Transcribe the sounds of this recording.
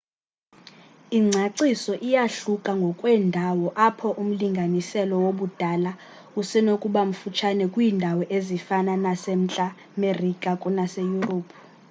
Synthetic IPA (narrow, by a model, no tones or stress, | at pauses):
iŋ͡ǀʱaǀisɔʔijaɬukʼaŋɡʱɔkʼwɛndʱawɔʔapʰɔʔum̩liŋɡʱanisɛlɔwoɓud̥ʱala | usɛnokʼuɓam̩fut͡ʃʰanɛkʼwiːndʱawɔʔezifananasem̩t͡ɬʼa | merikʼakʼunasejuroːpʰu̥